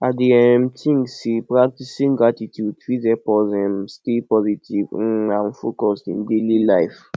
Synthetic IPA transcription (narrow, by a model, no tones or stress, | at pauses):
adiɛmtʰĩŋsipɹak̚tisĩŋɡɹatitjudfizɛpɔzɛ̃mstepɔzitiv̩ãn̩fokɔstḭ̃ndelilajf